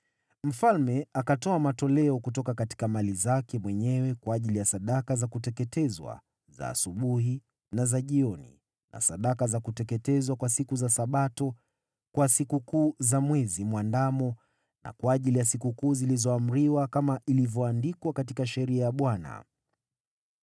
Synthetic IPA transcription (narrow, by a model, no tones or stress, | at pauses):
m̩falmɛakatɔamatɔlɛɔkut̬ɔkakati̥kamalizakɛmwɛɲɛwɛkwaːʄilijasaɗakazakutɛkɛtɛzwa̰ | za̰ːsuɓuɦi | nazaʄiɔnḭ | na̰saɗakazakutɛkɛtɛzwakwasikuzasaɓatɔ | kwasikukuːzamwɛzimwandamɔ | na̰kwaːʄilijasikukuːzilizɔam̩ɾiwakamaʔilivjɔandikwakatikaʃɛɾiajaɓwana̰